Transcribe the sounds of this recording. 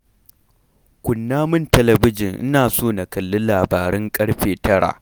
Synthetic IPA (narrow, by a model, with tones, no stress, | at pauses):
kʷʊ˨nːaː˦mɪ˦ntɐ˨lɐ˨bɪ˦d͡ʒɪ˨ŋʔɪ̰˦naː˨soː˦˨na˨kɐ˨lːʊ˦laː˨baː˨ɾɛ˦ŋkʼɐ˦ɽɸeː˨tɐ˦ɽa̰ː˨ʔ